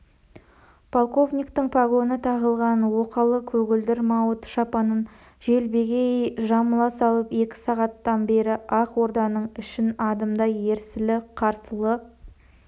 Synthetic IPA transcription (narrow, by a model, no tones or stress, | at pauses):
pʰolˠko̞vnʲijkt̪ɪɴpʰaɡo̞nət̪ʰɑʁəlˠʁɑnwo̞qɑlˠəkʲʰɵɡʲɪld̪ɪɾmɑwət̪ʃɑpɑnən | ʒe̞lbe̞ɡʲejʒɑməlˠɑsɑlˠəpe̞kʲɪ̥sɑʁɑt̪ːɑnbe̞ɾɪʔɑqwo̞ɾd̪ɑnəɴʏʃɪnɑd̪əmd̪ɑje̞ɾsɪlɪqʰɑɾsəlˠə